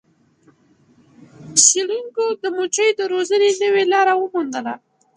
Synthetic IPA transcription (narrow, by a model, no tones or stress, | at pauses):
ʃiluŋkod̪əmot͡ʃəjd̪əɾozənenəwelɑɾawəmund̪əla